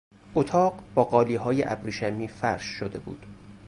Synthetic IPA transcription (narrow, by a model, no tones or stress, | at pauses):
ʔot̪ʰɒːɢb̥ɒːɢɒːliːɦɒːjeʔæbɾiʃæmiːfæɾʃːod̪e̞bṵːd̪̥